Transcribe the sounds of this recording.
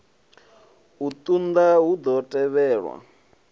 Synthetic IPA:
ut̪ʼund̪aɦud̪ɔtʼɛβɛːɺwa̰

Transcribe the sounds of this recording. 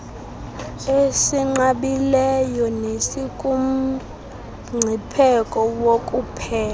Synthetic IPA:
esiŋ͡ǃaɓilɛjɔnesikʼum̩ | ŋ͡ǀʱipʰɛkʼɔwokʼupʰɛːla

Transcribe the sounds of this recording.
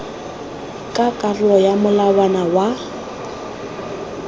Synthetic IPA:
kʼakʼarlɔjamʊlawanawa

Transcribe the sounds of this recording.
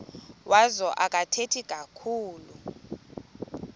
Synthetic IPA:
wʔazɔʔak̬ʼatʰetʰikʼakʰuːlu

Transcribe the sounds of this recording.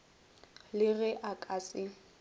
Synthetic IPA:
lɪɣɛʔakʼaːsɪ

